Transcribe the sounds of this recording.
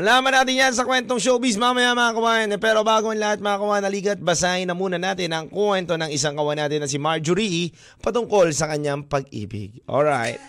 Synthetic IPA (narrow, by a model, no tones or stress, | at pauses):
ʔɐlaːmɐnaːt̪ɪnjans̬ɐkwɛnt̪o̞ŋʃowbis̬mamɐjamɐŋakɐwaːɐnpɛːɾo̞baːɡomɐnlɐhat̪̚mɐŋakɐwaːɪnɐliːɡɐt̪̚bɐsaɪnɐmuːnɐnaːt̪ɪnɐŋkwɛnt̪o̞nɐŋɪsaŋkɐwɐnaːt̪ɪnːɐs̬ɪmaɹd͡ʒʊɾiʔ | pɐt̪ʊŋko̞lsɐkɐɲːaŋpɐɡ̚ʔḭːbɪ̰ɡ̚ʔo̰lɹa̰jt̪̚